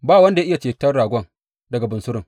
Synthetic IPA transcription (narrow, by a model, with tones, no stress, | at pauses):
baː˦˨wɐ˦nda˨jʔɪ˦ja˨t͡ʃeː˨tɐ˦rɽaː˨ɡʷɐ˦ŋ | dɐ˨ɡa˨bʊ˨nsʊ˦ɾɪ˨ŋ